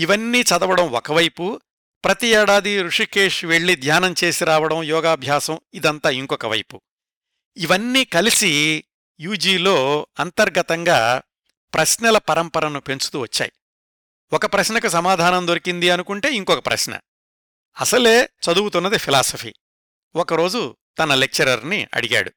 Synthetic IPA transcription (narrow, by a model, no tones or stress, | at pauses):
iʋɐnːiːt͡ʃɐd̪ɐʋɐɽɐmɔkɐʋɐjpu | pɾɐt̪iɛːɽaːd̪iɾuʂike̞ːʂʋe̞ɭːid̪ʱjaːnɐmt͡ʃe̞ːsiɾaːʋɐɽɐmjɔːɡaːbʱjaːsɐmid̪ɐnt̪aːiŋkɔkɐʋɐ̰jpu | iʋɐnːiːkɐlisi | juːd͡ʒiːlo̞ːɐnt̪ɐɾɡɐt̪ɐŋɡaː | pɾɐsnɐlɐpɐɾɐmpɐɾɐnupe̞nt͡ʃu̥t̪uːʋɐt͡ʃːa̰ːji | ɔkɐpɾɐʃnɐkus̬ɐmaːd̪ʱaːnɐmd̪oɾikind̪iɐnukuɳʈe̞ːiŋkɔkɐpɾɐ̰ʃnɐ̰ | ɐsɐle̞ːt͡ʃɐd̪uwut̪unːɐd̪ipʰilaːsɐpʰḭː | ɔkɐɾo̞ːd͡ʒu | t̪ɐnɐlek̚t͡ʃɐɾɐɾniɐ̰ɽiɡa̰ːɽu